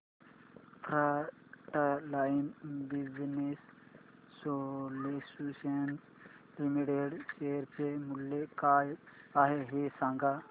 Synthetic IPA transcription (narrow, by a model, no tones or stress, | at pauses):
t̪ʰɾa | ʈalaːjmbiznesː | olesusen | limiʈeɖʃeːɾpemulːekaːjaːɦeɦesãːŋɡa